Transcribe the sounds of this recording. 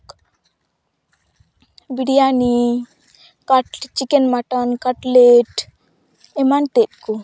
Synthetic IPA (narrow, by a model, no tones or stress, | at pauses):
k | biɖijani | kaʈt͡ɕikenmaʈɔnkaʈleʈ | emant̪et̪̚ku